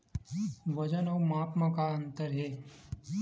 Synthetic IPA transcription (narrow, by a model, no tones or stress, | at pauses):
ʋɐd͡ʒənɐwmaːpmãkaɐ̃nt̪əɾɦeː